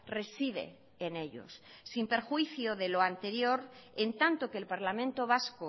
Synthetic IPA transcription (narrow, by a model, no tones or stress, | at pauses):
re̞sið̞e̞̰ | ene̞ʎo̰sːimpe̞ɾxwiθjoðe̞loant̪e̞ɾjo̞ɾent̪ant̪okeːlpaɾlamẽnt̪oβasko